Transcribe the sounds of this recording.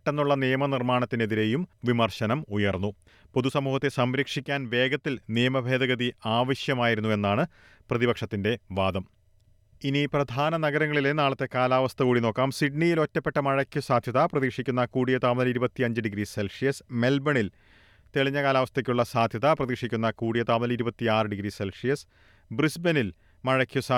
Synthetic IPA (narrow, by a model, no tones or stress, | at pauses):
ʈːenːuɭːɐnijɐmɐnirmaːɳɐt̪ːineðiɾe̞ːjumʋimɐrɕɐnɐmujɐrnːu | po̞ðusɐmuːhɐt̪ːe̞sɐmɾɐkʂikʲːaːnʋe̞ːɡɐt̪ːilnijɐmɐbʱe̞ːd̪ɐɣɐðiaːʋɐɕjɐmaːjiɾunːue̞nːaːɳɨ | prɐðibɐkʂɐt̪ːinde̞ʋaːd̪ɐm | iniprɐd̪ʱaːnɐnɐɡɐɾɐŋːɐɭilenaːɭɐt̪ːe̞kaːlaːʋɐst̪ʰɐkuːɽino̞ːkːaːmsiɖ̚nijilo̞tːɐpːe̞ʈːɐmɐɻɐkʲːusaːd̪ʱjɐt̪aprɐðiːkʂikʲːunːɐkuːɽijɐt̪aːmunɐliɾubɐt̪ːiɐɲd͡ʑɨɖiɡɾise̞lʂijɐsme̞lbɐɳil | t̪eɭiɲːɐkaːlaːʋɐst̪ɐkʲːuɭːɐsaːd̪ʱjɐt̪aprɐðiːkʂikʲːunːɐkuːɽijɐt̪aːmunɐliɾubɐt̪ːiaːrɨɖiɡɾiselʂijɐs | brisbenil | mɐɻɐkʲːjusa